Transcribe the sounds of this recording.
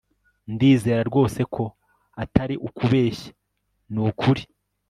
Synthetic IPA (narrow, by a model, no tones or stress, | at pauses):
ndiːze̞ːɾaɾɡo̞ːse̞kʰo̞ | ataɾiʔukuβe̞ːʃḁ | nukʰuɾi